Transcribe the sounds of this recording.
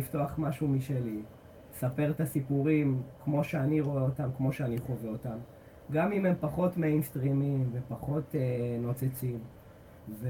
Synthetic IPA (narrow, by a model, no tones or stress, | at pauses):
ifto̞aχmaʃumiʃeli | esape̞ʁet̪asipuʁimkmo̞ʃeaniʁo̞eotamkmo̞ʃeaniχo̞veotam | ɡamime̞mpaχo̞tmejnst̪ʁimimvepaχo̞teno̞t͡set͡sim | ve